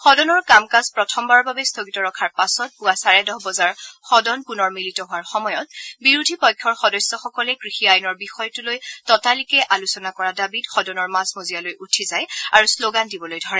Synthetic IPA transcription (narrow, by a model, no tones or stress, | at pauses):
xɔdɔnɔɹkamkazpɹɔtʰɔmbaɹɔbabɛstʰoɡitɔɹɔkʰaɹpasɔt̚puasaɹɛdɔɦbɔzaɹxɔdɔnpunɔɹmilitɔɦʊaɹxɔmɔjɔt̚biɹudʱipɔjkʰːɔɹxɔdɔsɔxɔkɔlɛkɹixiajnɔɹbixɔjɔtulojtɔtalikɛʔalusɔnakɔɹadabidxɔdɔnɔɹmazmozijalojutʰizajaɹusloɡandibɔlojdʱɔɹɛ